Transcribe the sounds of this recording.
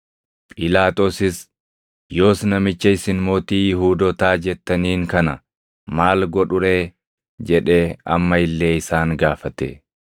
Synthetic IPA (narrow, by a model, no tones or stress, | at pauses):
pʼɪlaːt̪ʼosɪs | jo̞ːsnɐmɪt͡ʃːɐɪsɪnmo̞ːt̪iːjɪɦuːd̪ɔt̪aːd͡ʒɛt̪ːɐniːŋkɐnɐ | maːlɡɔᶑʊɾeː | d͡ʒɛᶑe̞ːɐ̰mːɐɪlːe̞ːɪsaːŋɡaːfɐt̪ḛː